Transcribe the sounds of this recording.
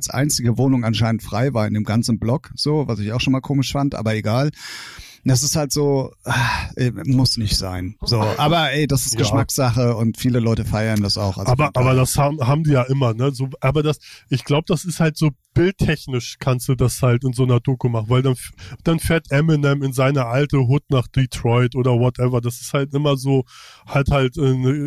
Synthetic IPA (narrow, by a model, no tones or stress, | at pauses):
alsʔa̰ɪnt͡sɪɡəvoːnʊŋanʃaɪnəntfʁ̥aɪvaːɐɪndeːmɡant͡sn̩blɔkz̥oːvasɪçaʊxʃoːnmaːlkʰoːmɪʃfantʔa̰ːbɐeɡaːl | d̥as̬ɪsthaltz̥oːaʔɛmːʊsnɪçtz̥a̰ɪnz̥oːʔaːbɐʔɛːdasɪstɡ̥əʃmakz̥aχəʊntfiːləlɔʏtəfaɪɐndasa̰ʊxʔa̰lʔzaːbɐʔaːbɐdashaːbm̩ɦaːbm̩diːjaːʔɪmɐnəzoːʔaːbɐdasʔɪçɡ̥laʊbəd̥asɪsthaltz̥oːb̥ɪltʰːɛçnɪʃkʰanstd̥uːdashaltɪnzoːnɐdoːkumaχn̩vaɪldanfd̥anfeːɐtʔɛmɪnɛmɪnzaɪnəʔaltəɦʊtnaːχd̥itʁ̥ɔʏtʔoːdɐvɔtʔɛvɐdasɪ̥sthaltʔɪmɐzoːhalthaltʔɛːnə